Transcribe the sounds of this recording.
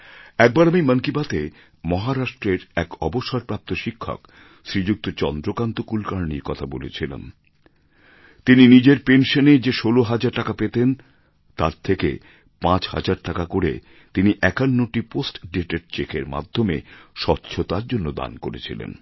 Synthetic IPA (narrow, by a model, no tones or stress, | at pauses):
ɛk̚baɾamiməŋkibat̪e | mɔɦaɾaʃʈɾeɾɛkɔboʃaɾpɾap̚t̪oʃikʰːo̰k | ʃɾid͡ʑuk̚t̪ot͡ɕɔnd̪ɾokant̪okulkaɾniɾkɔt̪ʰabolḛt͡ɕʰila̰n | t̪ininid͡ʑeɾpenʃoned͡ʑeʃoloɦad͡ʑaɾʈakapet̪en | t̪aɾt̪ʰekḛ | pãt͡ɕha̰d͡ʑaɾʈakakoɾḛ | t̪iniʔɛkanːoʈiposʈɖeʈeɾt͡ɕekʰeɾma̰d̪ʱːomḛʃɔtːɕʰot̪aɾd͡ʑonːod̪a̰nko̰ɾḛt͡ɕʰḭlḛn